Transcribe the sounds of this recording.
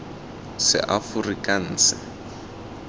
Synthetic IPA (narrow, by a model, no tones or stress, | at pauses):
sɪ̰ʔafʊrikʼan̩ːsɪ